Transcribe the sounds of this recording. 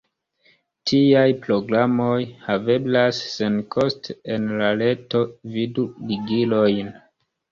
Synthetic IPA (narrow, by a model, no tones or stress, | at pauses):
tʰiajpɾo̞ɡɾamo̞jhave̞blasːenkʰostenlale̞to̞viduliɡilo̞jn